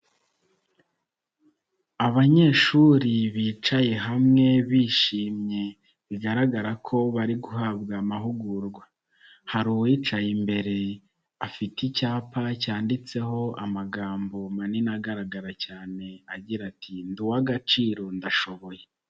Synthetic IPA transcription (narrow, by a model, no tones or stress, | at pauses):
aβaɲe̞ʃuɾiβiːt͡ʃaje̞ɦamŋe̞βiːʃiːmɲe̞ | βiɡaɾaɡaɾakʰo̞βaɾiɡuhabɡamaɦuɡuɾɡwa | haɾuwit͡ʃajimbe̞ɾe̞ | afiticaːpacaːndit͡se̞ɦo̞amaɡaːmbo̞maninaɡaɾaɡaɾacaːne̞aɟiɾatʰinduwaɡat͡ʃiːɾo̞ndaʃo̞βo̞je̞